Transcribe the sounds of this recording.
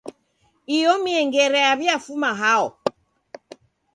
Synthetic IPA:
ijɔmiɛŋɡɛɾɛaβjafumaɦaɔ

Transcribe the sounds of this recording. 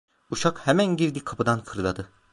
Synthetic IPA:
uʃakhemænɟiɾd̪ikʰapɯd̪ankʰɯɾlˠa̰d̪ɯ

